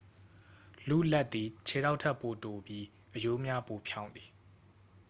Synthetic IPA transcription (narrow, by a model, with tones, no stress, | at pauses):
lṵ˦˨lɛ˦ʔ̪t̪̚t̪ːi˨t͡ɕʰe˨ɾa˦ʊʔtʰɛ˦ʔpːo˨to˨bji˦ | ʔəjo˦mja˦po˨pʰjã˦ʊ̃nd̪ði˨